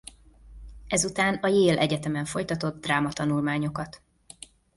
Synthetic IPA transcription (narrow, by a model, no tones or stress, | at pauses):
ɛzut̪aːnɒjeːlʔɛɟɛt̪ɛmɛɱfo̞jt̪ɒt̪o̞d̪ːraːmɒt̪ɒnulmaːɲo̞kɒt̪